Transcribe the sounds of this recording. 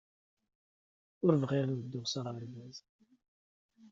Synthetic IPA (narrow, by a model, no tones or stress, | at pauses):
ʊɾvʁiʁwəd̪ːʊʁsaʁəɾəlvæz